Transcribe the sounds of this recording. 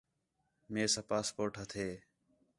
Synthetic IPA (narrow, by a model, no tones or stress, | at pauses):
meːsaːpaːspoːʈɦət̪ʰeː